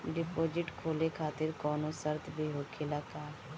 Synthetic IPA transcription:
ɖɪpoːd͡ʒɪʈkʰoːlekʰaːt̪ɪɾkɔːnõːsəɾt̪ʰbeːɦoːkʰeːlaːkaːɾ

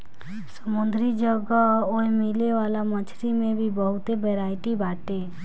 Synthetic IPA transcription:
səmʊnd̪ʱɾid͡ʒəɡəoemileʋaːlamə̃t͡ʃʰɾimẽbʱibəɦʊt̪ebeɾaːɪʈibaːʈe

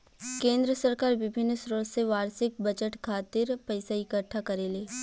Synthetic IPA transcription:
kẽːnd̪ɾəsəɾkaːɾʋɪbʱɪnːsɾoːɽseʋaːɾsɪk̚bɐd͡ʒəʈkʰaːt̪ɪɾpɐɪsaɪkəʈʰːakɐɾeːleː

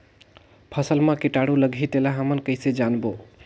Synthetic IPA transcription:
pʰəsəlmãkiʈaɽuləɡʱit̪elaɦəmənkəɪsed͡ʒanbo

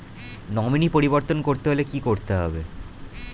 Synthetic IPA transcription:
nɔminipoɾiboɾt̪onkoɾt̪eɦolekikoɾt̪eɦɔ̰be

